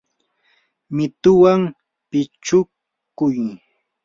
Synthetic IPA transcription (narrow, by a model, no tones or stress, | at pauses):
mɪt̪ʊwam | pɪt͡ʃʊk | kʊj